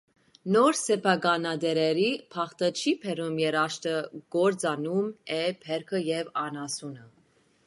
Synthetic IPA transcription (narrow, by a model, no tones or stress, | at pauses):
nɔɾsɛpʰɑɡɑnɑd̪ɛɾɛɾipʰɑχt̪ət͡ʃʰipʰɛɾumjɛɾɑʃt̪əɡ̥ɔɾd͡zɑnumɛpʰɛɾkʰəjɛvɑnɑsunə